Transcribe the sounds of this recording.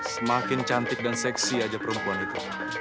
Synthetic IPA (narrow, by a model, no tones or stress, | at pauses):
səmakɪnt͡ʃant̪ɪk̚dansɛksiad͡ʒapəɾəmpuanit̪u